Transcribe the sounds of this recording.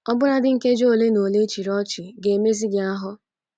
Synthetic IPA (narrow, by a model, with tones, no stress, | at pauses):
ɔ˦bʊ˦ɾa˦dɪ˦ŋ̩˦ke˦d͡ʒo˦o˦˨le˦no˨le˦t͡ʃi˨ɾɔ˦t͡ʃɪ˨ɡe˨me˦zi˦ɡɪ˦a˦ɦʊ˦